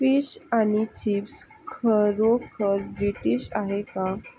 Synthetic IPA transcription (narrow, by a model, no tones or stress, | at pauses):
fiɕaɽ̃it͡ɕips | kʰəɾokʰəɾbɾiʈiːɕa̰ɦeka